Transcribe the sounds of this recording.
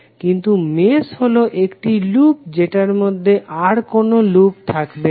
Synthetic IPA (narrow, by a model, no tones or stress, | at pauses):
kint̪umesholoʔekʈilup̚d͡ʑeʈaɾmod̪ʱːeʔaɾkonolup̚t̪ʰakbe